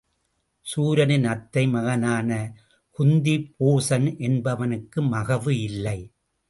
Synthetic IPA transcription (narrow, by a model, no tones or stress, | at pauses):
suːɾɐnɯnɐt̪ːɐɪmɐɣɐnaːnɐ | kʊnd̪ipoːsɐnʔɛnbɐʋɐnɯkːɯmɐɣɐʋɯɪlːɐɪ